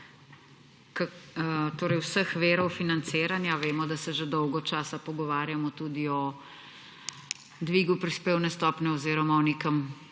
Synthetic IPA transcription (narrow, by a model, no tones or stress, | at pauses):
kat̪oːɾəjwsəxʋeːɾɔwfinant̪seːɾanjaʋeːmɔd̪asɛʒed̪ɔwɡɔt͡ʃaːsapɔɡɔʋaːɾjamɔt̪uːd̪iɔ | d̪ʋiɡupɾispeːwnɛst̪ɔːpnɛɔzeːɾɔmaɔnikəm